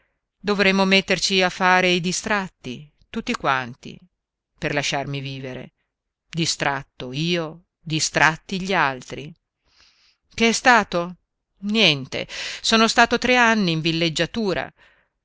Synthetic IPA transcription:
d̪ovɾɛmːomet̪ːert͡ʃiafːaːɾeid̪ist̪ɾat̪ːi | t̪ut̪ːikwa̰nt̪ḭ | perlaʃːarmiviːveɾḛ | d̪ist̪ɾʔat̪ːoiːo | d̪ist̪ɾʔat̪ːiʎalt̪ɾi | keɛst̪aːt̪o | njɛnt̪ḛsoːnost̪aːt̪ot̪ɾeanːiːɱvilːed͡ʒːat̪uːɾa̰

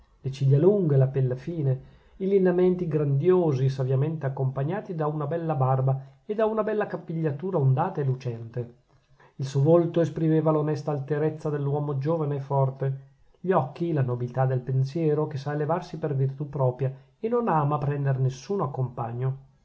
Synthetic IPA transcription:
let͡ʃiʎːaluŋɡelapelːafiːne | ilinament̪iɡɾand̪joːzis̬avjament̪eakːompaɲːaːt̪id̪aunabɛlːabarba | ed̪aunabɛlːakapːiʎːat̪uːɾaond̪aːt̪aelut͡ʃɛnt̪e | ilsuovolt̪oespɾimeːvalonɛst̪aːlt̪eɾet̪sːad̪elːwɔːmod͡ʒoːvaneːfːɔrt̪e | ʎɔkːilanobilt̪ad̪ːelpensjɛːɾokesaelevarsipervirt̪upːɾɔːpɾja | enonaːmapɾɛnd̪eɾnesːuːnoakːompaɲːo

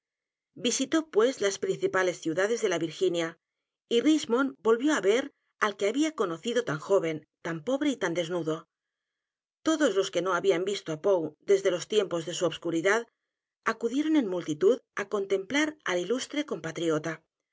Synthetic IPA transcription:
bisit̪o̞pwe̞zlaspɾin̟θipale̞sθjuðaðe̞zðe̞laβiɾxinja | irizmo̞nbo̞lβjo̞aβe̞ɾ | alkeaβiakono̞θiðo̞t̪aŋxo̞β̞e̞nt̪ampo̞β̞ɾe̞it̪and̪e̞znuðo̞ | t̪o̞ðo̞zlo̞ske̞no̞aβiambist̪oapowd̪e̞zðe̞lo̞st̪je̞mpo̞zðe̞suoβskuɾiðað | akuðje̞ɾo̞ne̞nmːult̪it̪uðako̞nt̪e̞mplaɾa̰lilust̪ɾeko̞mpat̪ɾiot̪a

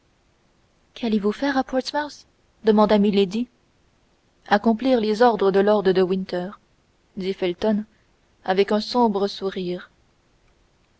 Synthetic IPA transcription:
kʰalevufɛːʁapɔt̪mas | d̪əmɑ̃d̪amiled̪i | akɔ̃pliʁlezɔʁd̪ʁəd̪əlɔʁd̪ʁəd̪əwĩnt̪œːʁ | d̪ifɛlt̪ɔn | avɛkɛ̃sɔ̃bʁəsuʁiːʁ

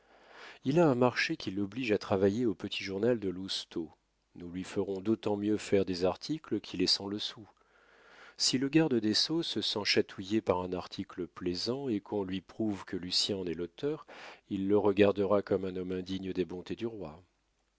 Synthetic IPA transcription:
ilaɛ̃maʁʃekʰʲilɔbliʒat̪χavajeopət̪ʰiʒuʁnald̪əlust̪o | nulɥifəʁɔ̃d̪ot̪ɑ̃mjøfɛʁd̪ezaʁt̪ʰikləkʰʲilɛsɑ̃ləsu | siləɡaʁd̪əd̪esosəsɑ̃ʃat̪ʰujepaʁɛ̃naʁt̪ʰikləplɛzɑ̃ekʰɔ̃lɥipχuvkəlysjɛ̃nɛlot̪œʁilːəʁəɡaʁd̪əʁakɔmɛ̃nɔmɛ̃d̪iɲəd̪ebɔ̃t̪ed̪yʁwa

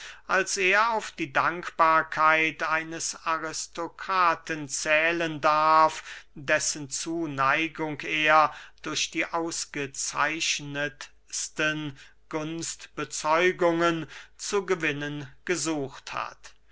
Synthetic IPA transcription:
ʔalseːɐaʊfd̥iːdaŋkb̥aːɐkʰaɪtaɪnəsaʁɪstʰokʰaːtənt͡sɛːləndaʁfdɛsənt͡suːnaɪɡʊŋkeːɐd̥ʊɐɕd̥iːʔaʊsɡ̥ət͡sa̰ɪʃnət | stən | ɡ̥ʊnstb̥ət͡sɔʏɡʊŋənt͡suɡəvɪnənɡ̥əzuːxtha̰t

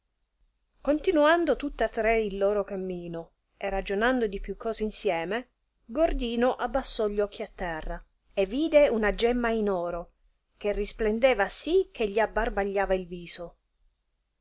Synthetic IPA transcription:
kont̪inuand̪ot̪ut̪ːeat̪ːɾeilːoːɾokamːiːno | erːad͡ʒonand̪od̪ipjukʰːɔːzeinsjɛːme | ɡord̪iːnoʔabːasːɔʎːɔkʰːiat̪ːɛrːa | evːiːd̪eunad͡ʒɛmːainɔːɾo | k̟erːisplend̪ɛːvasik̟ʰːeʎːiabːarbaʎːaːvailviːzo

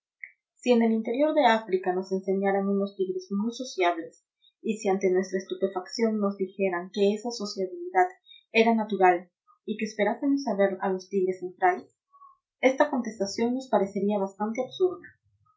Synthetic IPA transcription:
sie̞ne̞lint̪e̞ɾjo̞ɾðe̞afɾikano̞se̞nse̞ɲaɾaŋuno̞st̪iɣɾe̞zmujso̞sjaβle̞s | isiant̪e̞nwe̞st̪ɾaest̪upe̞faksjo̞nːo̞zðixe̞ɾaŋke̞esaso̞sjaβiliðað | e̞ɾanat̪uɾal | ike̞ːspe̞ɾase̞mos̬aβe̞ɾalo̞st̪iɣɾe̞sːent̪ɾales | e̞st̪ako̞nt̪e̞st̪asjo̞nːo̞spaɾe̞se̞ɾiaβ̞ast̪ant̪e̞aβsuɾða

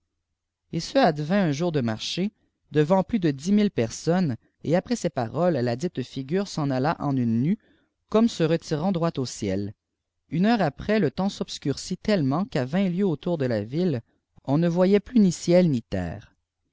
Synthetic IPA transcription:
esəad̪vɛ̃œ̃ʒuːʁd̪əmaʁʃe | d̪əvɑ̃plyd̪əd̪imilpɛʁsɔn | eapχɛsɛpa̰ʁɔlːad̪it̪fiɡʲyːʁsɑ̃nalaʔɑ̃nynːy | kɔmsəʁət̪iʁɑ̃d̪ʁwat̪osjɛ̰l | ynœːʁapχɛlət̪ɑ̃sɔbskʲyʁsit̪ɛlmɑ̃kavɛ̃ljøot̪uːʁd̪əlavil | ɔ̃nəvwajɛplynisjɛlnit̪ɛ̰ːʁ

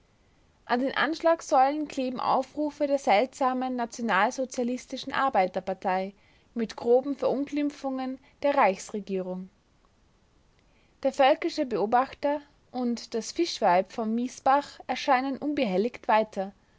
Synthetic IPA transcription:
ʔandeːnʔa̰nʃlaːksɔlənkʰl̥eːbm̩ʔa̰ʊfʁuːfədeːɐzɛltz̥aːmənːat͡sjonaːlzot͡sjalɪstɪʃn̩ʔa̰ɐbaɪtɐpaɐtʰaɪ | mɪtɡ̥ʁoːbm̩fɛɐʔʊnklɪmp͡fʊŋən | d̥eːɐʁaɪçsʁeɡiːʁ̞ʊŋ | d̥eːɐfœlkɪʃəbəoːbaχtɐ | ʔʊntd̥asfɪʃv̥aɪpfɔnːiːsb̥aχʔɛɐʃaɪnənʔʊnbəɦɛlɪçtv̥aɪtʰɐ

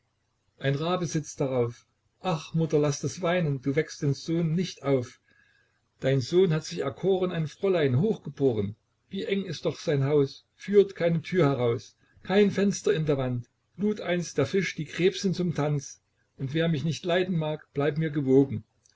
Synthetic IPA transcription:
ʔaɪnʁaːbəzɪt͡sd̥aʁaʊf | ʔaχmʊtɐlastasv̥aɪnənduːvɛkstd̥eːnz̥oːnːɪçtʔaʊf | d̥aɪnzoːnhatz̥ɪçɛɐkʰoːʁənaɪnfʁ̥ɔlaɪnɦoːxɡ̥əboːʁən | viːʔɛŋɪst̚d̥ɔχz̥aɪnɦaʊs | fyːɐtkʰaɪnətʰyːɐhɛʁ̞aʊs | kʰaɪnfɛnstɐɪndeːɐvant | luːtʔaɪnstd̥eːɐfɪʃd̥iːɡʁ̥ɛːpsn̩t͡sʊmtʰant͡s | ʔʊntv̥eːɐmɪçnɪçtlaɪdn̩maːkb̥laɪpmiːɐɡəvoːɡŋ̩

